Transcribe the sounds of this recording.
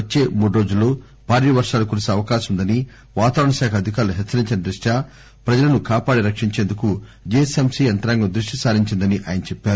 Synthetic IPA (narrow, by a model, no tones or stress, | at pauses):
ɐt͡ʃːe̞ːmuːɽuɾo̞ːd͡ʒulːoː | bʱaːɾiːʋɐɾʂaːlɐkuːɾseɐʋɐkaːʃɐmund̪ɐni | ʋaːt̪aːɾɐɳɐʃaːkʰɐːd̪ʱikaːɾɐluɦet͡ʃːɐɾiɲt͡ʃinɐd̪ɾuʂʈaː | pɾɐd͡ʒɐlɐnukaːpaːɽiɾɐkʂiɲt͡ʃeːnd̪ukud͡ʒesemsient̪ɐɾaŋɡɐd̪ɾuʂʈisaːɾiɲt͡ʃind̪ɐniʔa̰ːjɐnɐt͡ʃɛpːaːɾu